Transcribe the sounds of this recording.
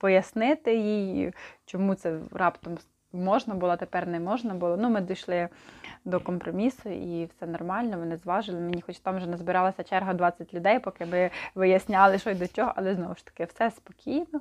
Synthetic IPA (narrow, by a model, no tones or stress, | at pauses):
pɔjɐsnɪt̪ɪjijt͡ʃɔmut̪sɛrɑpt̪ɔm | mɔʒnɐbʊlˠɔt̪epɛrnɛmɔʒnɐbulˠɔnumɪd̪ɔjʃlˠɪd̪ɔkɔmpɾɔmʲisʊʔiwsɛnɔrmɑlʲnɔʋɔnɪzʋɑʒɪlˠɪmenʲixɔt͡ʃt̪ɑmʒɛnɐzbɪɾɑlˠɐsʲɐt͡ʃɛrɦɐd̪ʋɑt͡sʲːɐtʲlʲʊd̪ɛjpɔkɪmɪʋɪjɐsʲnʲɑlˠɪʃɔsʲd̪ɔt͡ʃʲɔɦɔʔɐlˠɛznɔʋʊʃt̪ɐ̥kɪwsɛspɔkʲʰijnɔ